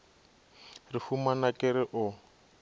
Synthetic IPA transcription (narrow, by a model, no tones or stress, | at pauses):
rifumanakʼɪɾɪʔʊ